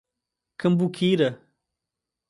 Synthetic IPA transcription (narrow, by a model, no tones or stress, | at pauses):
kɐmbukʰiːɾɐ